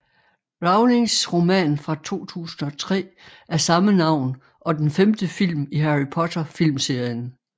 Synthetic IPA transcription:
ʁɑ̈ʊleŋsʁo̝mɛ̰ːnfʁɑ̈t͡sʰo̝̰ːt͡sʰṵːsn̩ɒ̽t͡sʰʁɛ̰ːæɐsɑ̈mənɑ̈ʊ̰n | ʔɒ̽d̥enfemd̥əfil̰miɦæʁipʰɒ̽t͡sʰɐfil̰mse̝ɐ̰jən

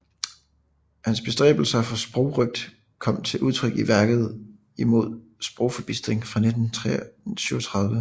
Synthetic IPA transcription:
hænsb̥e̝sd̥ʁɛ̰ːb̥l̩sɐfɑsb̥ʁɔʊʁœɡ̥̚d̥ | kʰɒ̽m̰t͡sʰe̝lʔuð̞ˠt͡sʰʁœɡ̥iʋæɐɡ̥ð̞̩ˠ | imo̝ð̞̰ˠ | sb̥ʁɔʊ̰fɒ̽b̥isd̥ʁeŋfʁɑ̈ne̝d̥n̩t͡sʰʁɛsyːɐt͡sʰʁɑ̈ð̞ˠʋə

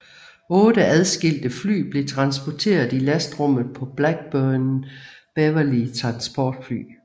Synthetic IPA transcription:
ɔ̽ːd̥əæð̞ˠsɡ̥e̝l̰d̥əfly̰ːb̥le̝t͡sʰʁɑ̈nsb̥ɒt͡sʰe̝̰ːɐð̩ˠilæsd̥ʁɔ̽m̰ð̩ˠpʰɒ̽b̥læɡ̥̚b̥œnn̩b̥ɛʋɐlit͡sʰʁɑ̈nsb̥ɒːd̥fly̰ː

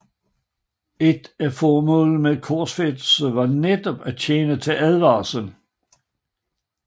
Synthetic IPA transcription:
e̝d̥æfɒːmɔ̰̽ːl̩meðˠkʰɒsfed̥səʋɑ̈ned̥ɒ̽b̥æt͡ɕʰeːnət͡sʰe̝lʔæð̞ˠʋɑ̰̈ːsən

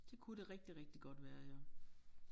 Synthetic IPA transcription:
d̥e̝kʰuɾeʁɛɡ̥̚d̥iʁɛɡ̥̚d̥iɡ̥ɒ̽d̥ʋæːɐjo

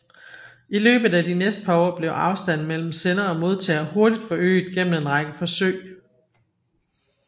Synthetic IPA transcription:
ilø̰ːb̥ð̩ˠæd̥inesd̥ə̥pʰɑ̈ɔ̰ːb̥le̝ʊʔɑ̈ʊsd̥æn̰mel̰m̩senɐːmo̝ð̞ˠt͡sʰɛːɐho̝ɐdid̥fɒ̽ø̰ːɪd̥ˠɡ̥en̰n̩e̝nʁɑ̈ɡ̥əfɒ̽sø̰ɪ

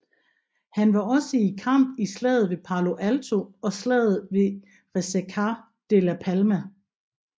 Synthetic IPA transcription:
hænʋɑ̈ɒ̽səikʰɑm̰b̥islɛ̰ːð̩ˠʋe̝pʰɑ̈lo̝ʔælt͡sʰo̝ɒ̽slɛ̰ːð̩ˠʋe̝ | ʁesekʰɑ | d̥elæpʰælmæ

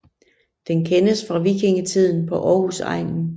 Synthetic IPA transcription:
d̥enkʰenəsfʁɑ̈ʋikʰe̝ŋət͡sʰið̞̰ˠn̩pʰɒ̽ʔɒːhusɑ̰̈ɪ̰ŋn̩

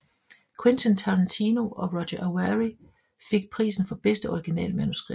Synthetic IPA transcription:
kʰwe̝nsʰɔnt͡sʰɑlænt͡sʰiːno̝ʔɒ̽ʁɒ̽ɕɐʔææʁi | fe̝ɡ̥̚pʰʁḭːsn̩fɒ̽b̥esd̥əɒiɡ̥inɛ̰ːlmænusɡ̥ʁi̥

